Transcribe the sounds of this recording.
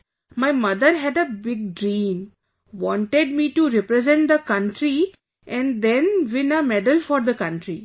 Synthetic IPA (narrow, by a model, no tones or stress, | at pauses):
maɪmʌd̪əɾɦɛɖəbɪɡ̚ɖɾĩːm | ʋɔ̃ːɳʈeɖ̚miːʈuɾɛpɾɛzɛ̃ɳʈ̚d̪əkʌ̃ɳʈɾi | ʔɛ̃ɳd̪ɛ̃nʋɪ̃nəmɛɖəlfɔːɾd̪əkʌ̃ɳʈɾi